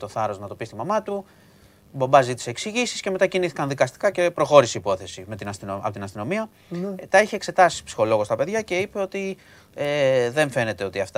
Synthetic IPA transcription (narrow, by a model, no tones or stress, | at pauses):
t̪o̞θɐɾo̞znɐt̪o̞pist̪imɐmɐt̪u | bombɐzit̪i̥seːksiʝisisce̞me̞t̪ɐciniθikɐnðikɐst̪i̥kɐce̞pɾo̞xo̞ɾiseipo̞θe̞sime̞t̪inɐst̪nɐpot̪inɐst̪ino̞miɐ | t̪ɐiçiekse̞t̪ɐsi̥psi̥xo̞lo̞ɣo̞st̪ɐpe̞ðʝɐce̞ipe̞o̞t̪i | eðe̞ɱfe̞ne̞t̪e̞o̞t̪iɐft̪